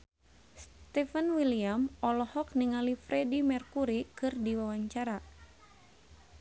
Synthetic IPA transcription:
st̪ɛfənwiliamɔlɔhɔk̚niŋalifɾɛdimɛrkuɾikɨrdiwawaɲt͡ʃaɾa

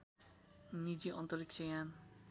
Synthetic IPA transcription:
nid͡ʒiʔɔnt̪ɔɾiksʰejan

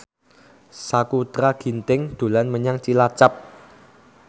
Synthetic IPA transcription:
sakut̪ɾaɡ̥i̤nt̪ɪŋd̪̥ṳlanməɲaŋt͡ʃilat͡ʃap̚

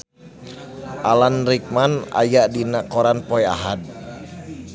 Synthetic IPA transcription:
ʔalanɾik̚mana̰jaʔdinakɔɾanpɔja̰ɦad̚

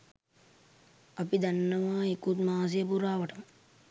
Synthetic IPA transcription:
ɐpid̪anːəʋaːekut̪maːs̬ejəpuɾaːʋəʈəmə

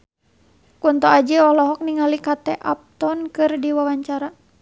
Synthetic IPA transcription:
kunt̪ɔad͡ʒəɔhlɔɦɔk̚niŋalikat̪ɛʔap̚t̪ɔnkɨrdiwawaɲt͡ʃaɾa

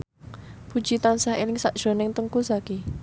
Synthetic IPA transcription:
b̥ṳd̥d͡ʒ̥it̪ansaɦelɪŋsaʔd̥ʒ̥o̤nɪŋt̪əŋkusaki

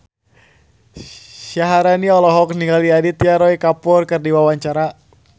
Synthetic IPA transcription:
ʃaɦaɾaniɔlɔɦɔk̚niŋɡaliadit̪ijaɾɔikapʊrkɨrdiwawaɲt͡ʃaɾa

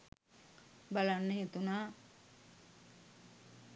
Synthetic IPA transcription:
balanːəjit̪unaː

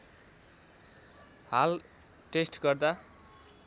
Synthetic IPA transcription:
hal | ʈesʈɡʌrd̪a

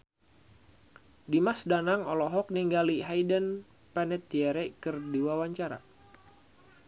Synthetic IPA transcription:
dimasdanaŋɔlɔɦɔk̚niŋɡaliɦajdən | pɛnɛt̪̚iɛɾɛkɨrdiwawaɲt͡ʃaɾa̰

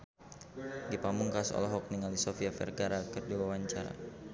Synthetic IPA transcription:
dipamuŋkasɔ̰lɔɦɔk̚niŋalisofiafɛ̰rɡaɾakɨrdiwawaɲt͡ʃaɾa̰

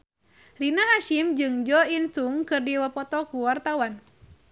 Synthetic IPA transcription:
rinaɦaʃimd͡ʒɨŋd͡ʒɔinsuŋkɨrdiwapɔt̪ɔkuwart̪awan

